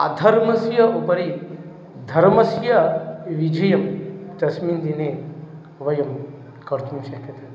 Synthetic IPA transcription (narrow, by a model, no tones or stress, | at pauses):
ɐ̰d̪ʱɐɾmɐsjɐʔupɐɾi | d̪ʱɐɾmɐsjɐʋid͡ʒʱɐjɐmt̪ɐsmiːnd̪ine | ʋɐjɐm | kɐɾt̪umʃɐkʰːjɐt̪e